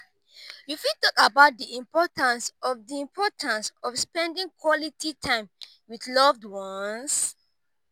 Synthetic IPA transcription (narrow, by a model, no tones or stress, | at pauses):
jufitɔkabaʊt̚diĩmpɔtãnsɔvdiĩmpʰɔtʰãnsɔfspɛ̃ndĩŋkʰwɔlitʰitʰãɪ̃m | wiθlɔvdwɔ̃ns